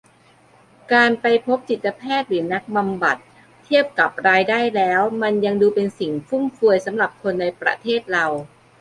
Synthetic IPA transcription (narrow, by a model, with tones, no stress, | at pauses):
kaː˧npa˧jpʰo˦˥p̚t͡ɕi˨˩t̪ːa˧pʰɛː˥˩t̪̚ɾɯː˩˦na˦˥k̚ba˧mba̰˨˩t̪̚ʰː | i˥˩əp̚ka˨˩p̚ɾaː˧jdaː˥˩jlɛː˦˥wma˧nja˧ŋduː˧pe˧nsi˨˩ŋfu˥˩mfu˧əjsa˩˦mɾa˨˩p̚kʰo˧nːa˧jpɾa̰˧˥t̪ʰeː˥˩t̪̚ɾa˧w